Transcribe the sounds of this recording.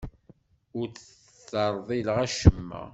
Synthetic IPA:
ʊɾt͡sə | t͡sːɑɾˤðˤilʁæʃəmːæ̰

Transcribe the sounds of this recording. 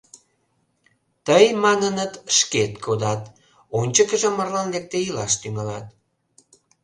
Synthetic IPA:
t̪əjmɑnənət̪ʃket̪kʰod̪ɑt̪ | onʲt͡ɕəkəʒĕmərlɑnlek̚t̪eilɑʃt̪yŋɑlɑt̪̚

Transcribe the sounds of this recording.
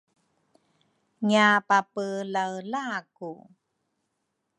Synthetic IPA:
ŋiapapəlawlaku

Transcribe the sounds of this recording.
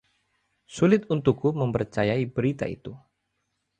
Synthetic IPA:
sulɪt̪̚unt̪ukuməmpərt͡ʃajaibəɾit̪a̰ḭt̪u

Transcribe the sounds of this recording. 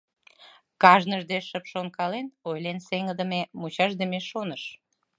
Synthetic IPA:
kɑʒnəʒd̪eʃəpʃonkɑlenojlenseŋəd̪ə̆memut͡ɕɑʒd̪əmeʃonəʃ

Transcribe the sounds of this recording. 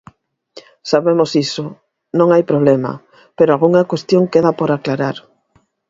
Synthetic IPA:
saβemosisʊ | nõŋajpɾoβlemɐ̰ | peɾoalɣuŋɐkwest̪joŋkeðapoɾaklaɾaɾ

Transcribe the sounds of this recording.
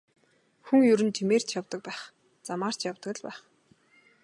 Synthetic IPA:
xuŋjɵɾɘ̆nt͡ɕimeːr̥t͡ɕʰjawt̪ə̆k̚pæːχ | t͡samaːr̥t͡ɕjawt̪ə̆kɘ̆ɮpæːχ

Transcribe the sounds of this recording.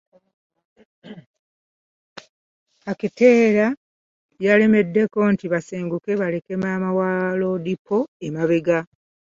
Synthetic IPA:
akite̞ːɾa | jaleme̞dːe̞ko̞ːntiβaseːŋɡuke̞βale̞kemaːmawaːlo̞dipʰːoemaβeɡa

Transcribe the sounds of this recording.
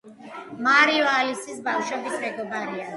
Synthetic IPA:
maɾialisisbafʃɛbit̪ʰmɛɡɔbaɾia

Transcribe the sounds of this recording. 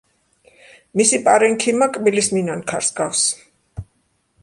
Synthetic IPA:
misipʼaɾɛŋkʰimakʼbilisminankʰaɾsɡafs

